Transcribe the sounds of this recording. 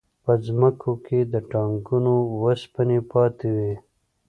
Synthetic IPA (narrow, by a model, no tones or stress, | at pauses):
pəzməkʰoked̪əʈɑŋkunowəspənepɑt̪ewi